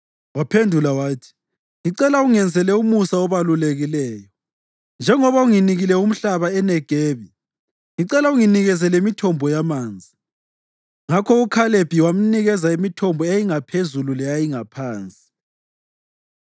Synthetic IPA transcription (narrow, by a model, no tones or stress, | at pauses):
wapʰendʱulawaːtʰi̥ | ŋiǀɛlauŋɛnd͡zʱɛlɛumusaɔβaluleɣilɛːjɔ | nd͡ʒʱɛŋɔβauŋiniɣilɛum̩ɬaβaɛnɛɡ̥ʱeːβi | ŋiǀɛlauŋiniɣɛzɛlɛimitʰɔmbʱɔjamaːnd͡zʱi | ŋakʰɔukʰaleb̥ʱiwam̩niɣɛzaimitʰɔmbʱɔejiŋapʰezululɛjajiŋapʰaːnt͡sʼi̥